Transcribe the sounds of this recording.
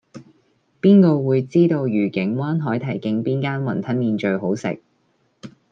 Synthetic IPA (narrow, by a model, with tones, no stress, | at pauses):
piː˥nkɔː˧wuː˨˧jt͡siː˥t̪o˧wjyː˨˩kɪ˨˥ŋwaː˥nɦɔː˨˥jt̪ʰɐ˨˩jkɪ˧ŋpiː˥nkaː˥nmɐ˨˩nt̪ʰɐ˥nmiː˧nt͡ʃɵ˧ɥɦo˨˥wsɪ̰˨k̚